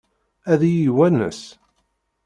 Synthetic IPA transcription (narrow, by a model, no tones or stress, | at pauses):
æðijiwænə̰s